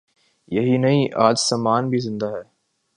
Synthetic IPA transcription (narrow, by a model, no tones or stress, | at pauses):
jɐɦinɐɦĩʔaːd͡ʒsamaːnbʱizɪ̃nd̪aɦɛː